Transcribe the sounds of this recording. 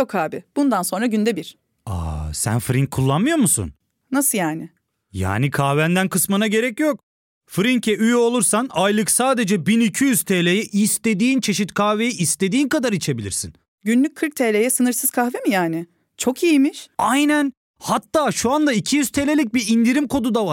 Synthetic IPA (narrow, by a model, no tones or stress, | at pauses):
jokʰaːbɪb̥und̪anso̞nɾaɟynd̪ɛbiɾ̥ | a̰sæ̰nfɾiŋckʰːulˠːanmɯjo̞ɾmusṵn | nasɯjaːnɪ | ja̰ːnikʰahvænd̪ænkʰɯsmɯnaɟe̞ɾɛcjok | fɾiɲcʰɛʔyjo̞lˠuɾsanajlˠɯksaːd̪e̞d͡ʒɛbinicʰijyz̥t̪ʰeːlʲejɛʔist̪e̞d̪iːnt͡ʃʰe̞ʃit̪kʰahve̞jɛʔist̪e̞d̪iːnkad̪aɾit͡ʃʰe̞bilʲḭɾsḭn | ɟynlʲyc̚ʲkʰɯɾk̚t̪ʰelʲejɛsɯnɯɾsɯz̥kʰaxvemijaːnɪ | t͡ʃʰo̞kijimiʃajnæn | hat̪ːaːʃuand̪aicʰijyz̥t̪ʰelʲelʲic̚biɾind̪iɾimkʰo̞d̪ud̪avaɾ